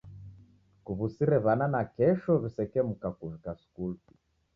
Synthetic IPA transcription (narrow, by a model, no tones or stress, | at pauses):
kuβusiɾɛβananakɛʃɔβisɛkɛmukakuvikaskuli